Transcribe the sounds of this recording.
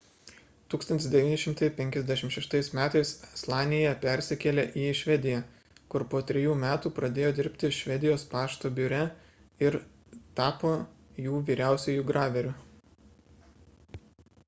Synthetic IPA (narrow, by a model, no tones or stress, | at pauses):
t̪uːkst̪ɐnt̪ʲɪsd̪ʲɛʋʲiːnʲɪʃʲɪmt̪ɐɪpʲɛŋʲkʲɛzʲd̪ʲɛʃʲɪmt̪ʃʲɛʃt̪ɐɪsmʲæːt̪ɐɪsslˠɑːnʲɪjɛpʲɛɾʲsʲɪkʲɛlʲeːʔiːʃʲʋʲɛd̪ʲɪjɛ | kʊɾpoːt̪ʲɾʲɛjuːmʲæːt̪uːpɾɐd̪ʲeːjoːd̪ʲɪɾʲpʲt̪ʲɪʃʲʋʲɛd̪ʲɪjoːspɑːʃt̪oːbʲʊɾʲɛ | ɪɾ | t̪ɑːpoːjuːʋʲiːɾʲæˑʊsʲɛjuːɡɾɑːʋʲɛɾʲʊ